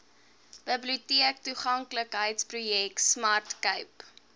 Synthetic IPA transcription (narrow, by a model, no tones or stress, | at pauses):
b̥əbliutiək̚tuχɐŋkləkɦəjtsprujɛk̚tsmɐrtkəɥp